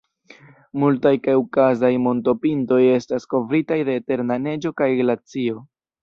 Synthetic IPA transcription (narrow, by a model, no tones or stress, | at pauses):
multajkaukazajmo̞nto̞pinto̞je̞stasko̞vɾitajde̞ːte̞ɾnane̞d͡ʒo̞kajɡlat͡sio̞